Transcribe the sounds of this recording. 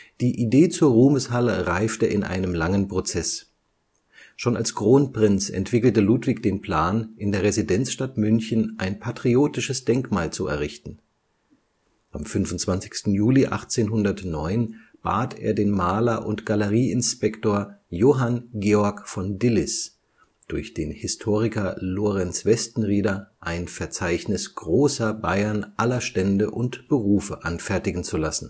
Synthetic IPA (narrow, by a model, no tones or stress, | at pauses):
d̥iːʔideːt͡suːɐʁuːməshaləʁaɪftəʔɪnʔa̰ɪnəmlaŋənpʁ̥ot͡sɛs | ʃoːna̰lsɡ̥ʁ̥oːnpʁ̥ɪnt͡sɛ̰ntv̥ɪkl̩təluːtv̥ɪçd̥eːnpl̥aːnʔɪndeːɐʁezidɛnt͡sʃtatmʏnçənʔaɪnpʰatʁ̥ioːtɪʃəsd̥ɛŋkmaːlt͡suɛ̰ɐʁ̞ɪçtn̩ | ʔamfʏnvʊntt͡sv̥ant͡sɪ̥çstn̩juːliʔa̰χt͡seːnɦʊndɐtnɔʏnb̥a̰ːtʰḛːɐdeːnmaːlɐʔʊ̰ntɡ̥aləʁiːɪnspɛktoːɐjoːɦanɡeːɔɐkfɔndɪlɪs | d̥ʊɐçd̥eːnhɪstʰoːʁɪkɐloːʁɛnsv̥ɛstn̩ʁiːdɐʔaɪnfɛɐt͡saɪçnɪsɡ̥ʁoːsɐba̰ɪɐnʔalɐʃtɛndəʔʊntb̥əʁuːfəʔanfɛɐtɪɡŋ̩t͡sulasn̩